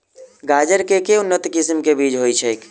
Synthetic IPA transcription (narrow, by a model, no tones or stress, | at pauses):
ɡaːd͡ʒəɾkekeʊnːət̪ikɪsmkebiːd͡ʒɦoit͡ʃʰɛeːk